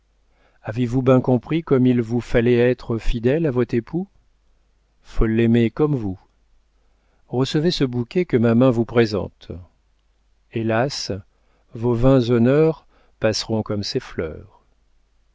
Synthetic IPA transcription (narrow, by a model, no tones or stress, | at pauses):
avevubjɛ̃kɔ̃pχikɔmilvufalɛɛt̪χəfid̪ɛlavɔt̪χepʰu | folːɛmekɔmvu | ʁəsəvesəbukʲɛkəmamɛ̃vupχezɑ̰̃t̪ | elas | vovɛ̃zɔnœʁ | pasʁɔ̃kɔmseflœ̰ːʁ